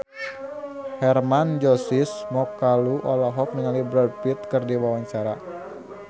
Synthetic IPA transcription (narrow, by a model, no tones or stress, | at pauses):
hɛrmand͡ʒɔsismɔkaluʔɔlɔɦɔk̚niŋalibɾədpit̪̚kɨrdiwawaɲt͡ʃaɾa